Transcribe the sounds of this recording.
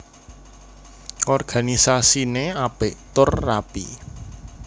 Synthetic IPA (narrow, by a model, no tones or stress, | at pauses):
ʔɔrɡ̥a̤nisasineapɪʔt̪ʊrːapḭ